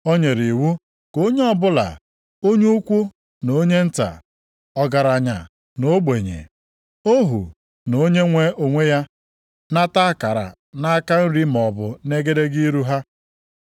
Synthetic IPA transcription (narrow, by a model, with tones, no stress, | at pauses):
o˦ɲe˨ɾi˨wu˦ | ko˦ɲe˦ɔ˨bʊ˦la̰˨ | o˦ɲu˦u˦kʷu˦ | no˨˦ɲe˦n̩˦ta̰˨ | ɔ˨ɡa˨ɾa˨ɲa̰˨ | no˦ɡ͡be˨ɲḛ˨ | o˦ɦṵ˨ | no˨˦ɲe˦ŋʷe˦o˨ŋʷe˦ja˦ | na˦ta˦ka˨ɾa̰˨ | na˦ka˦n̩˦ɾi˦m˨ɔ˨bʊ˨ne˦ɡe˦de˦ɡi˦i˦ɾu˦ɦa˦